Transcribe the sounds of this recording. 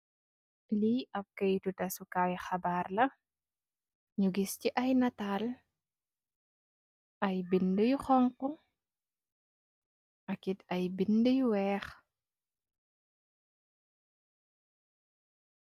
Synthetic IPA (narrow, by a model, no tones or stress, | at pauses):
liɐp̚kejtutɐsukajxabarlɐ | ɲuɡisciʔɐjnataːl | ʔɐjbindəjuxɔŋkɔ | ʔɐkitɐjbindəjwɛːx